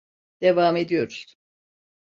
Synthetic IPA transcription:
d̪̥evaːmed̪ijo̞ɾ̥

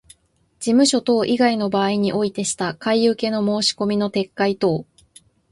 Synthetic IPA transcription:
d͡ʑimɯ̟ɕo̞t̪o̞ːʔiɡaino̞baːiɲ̟iʔo̞it̪e̞ɕi̥t̪akaijɯ̟ke̞no̞mo̞ːɕi̥ko̞mʲino̞t̪e̞kːait̪o̞ː

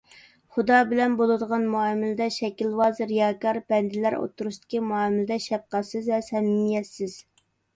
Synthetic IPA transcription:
χud̪ɑbɪlɛnbolˠɨd̪əʁɑnmuɑmɪlɪd̪ɛʃɛkʲilwɑːzɨɾjɑːkɑɾbɛnd̪ɪlæɾo̰t̪ʰːuɾuʃt̪ɪ̥qʲʰimuɑmɪlɪd̪ɛʃɛp̚qɑsɨzvɛsɛminjɛsːɪz̥

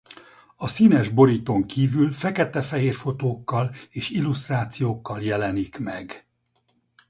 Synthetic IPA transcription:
ɒsinɛʒbo̞ɾit̪o̞ŋkiːvylfɛkɛt̪ɛfɛɦeːrfo̞t̪oːkːɒleːʃilːust̪raːt̪sijoːkːɒljɛlɛnikmɛɡ

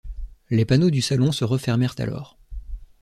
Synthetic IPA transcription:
lepanod̪ysalɔ̃səʁəfɛʁmɛʁt̪a̰lʔɔ̰ːʁ

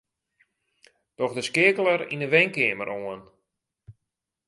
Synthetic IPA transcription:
d̥ɔxdəskɪːkəlˠəɾḭnəʋɛŋkɪːmə̰ɾʔoən

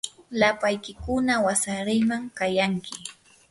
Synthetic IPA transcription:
lapajkɪkʊnawasaɾɪjmaŋkajaŋkʰɪ

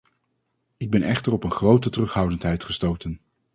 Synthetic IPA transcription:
ɪɡ̚bɛnʔɛχtərɔpənχrowtətərɵχɦʌwdəntɦɛjtχəstowtən

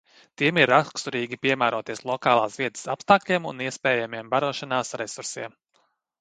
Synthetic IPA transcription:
t̪iɛmiɾakst̪uɾiːɡʲipiɛmæːɾuɔt̪iɛslˠɔkaːlˠaːsviɛt̪ə̥sapst̪aːklʲiɛmṵniɛspɛːjamiɛmbaɾuɔʃanaːsɾesuɾsḭɛm

